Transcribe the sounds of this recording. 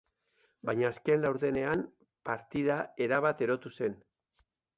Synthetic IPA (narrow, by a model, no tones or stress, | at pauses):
bajɲaːske̞nlawɾðe̞ne̞am | paɾt̪ið̞ae̞ɾaβat̪e̞ɾo̞t̪use̞n